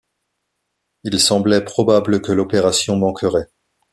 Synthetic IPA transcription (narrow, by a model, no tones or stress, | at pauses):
ilsɑ̃blɛpχɔbabləkəlɔpeʁasjɔ̃mɑ̃kʰəʁɛ